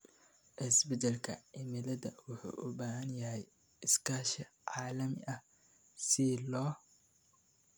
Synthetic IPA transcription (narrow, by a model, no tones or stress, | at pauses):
ʔɪsbɪd̪ɐlkʰɐ̰ɪmɪlɐðɐ̰wʊħṵːʔʊbaːɦɐnjɐɦɛj | ɪskʰaːʃɐ | ʕaːlɐmɪʔɐh | sɪlɔː